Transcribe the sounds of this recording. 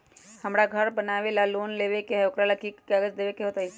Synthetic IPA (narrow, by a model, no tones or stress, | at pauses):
həmɾaɡʱəɾbənaːʋelaloːnleːʋekeɦɛʊkɾaləkikkaɡəd͡ʒd̪eːʋekeɦoːt̪aɦi